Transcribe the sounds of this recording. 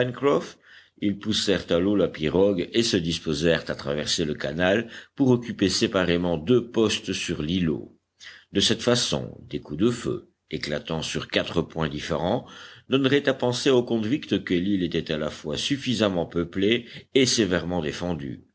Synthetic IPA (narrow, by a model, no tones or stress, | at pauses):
pɛnkʁɔf | ilpusɛʁt̪alolapiʁɔɡesəd̪ispozɛʁt̪at̪χavɛʁseləkanalpuʁɔkʲypesepaʁemɑ̃d̪øpɔst̪syʁlilo̰ | d̪əsɛt̪fasɔ̰̃d̪ekud̪əfø̰ | ekla̰t̪ɑ̃syʁkat̪χəpwɛ̃d̪ifeʁɑ̃d̪ɔnʁɛt̪apɑ̃seokɔ̃d̪vikt̪kəlilet̪ɛt̪alafwasyfizamɑ̃pəpleːsevɛʁmɑ̃d̪efɑ̃d̪y̰